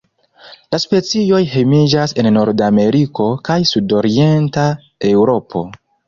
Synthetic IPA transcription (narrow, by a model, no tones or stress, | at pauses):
laspe̞t͡sio̞jɦe̞mid͡ʒase̞nːo̞ɾdame̞ɾiko̞kajsudo̞ɾie̞nta | e̞wɾo̞pʰo̞̰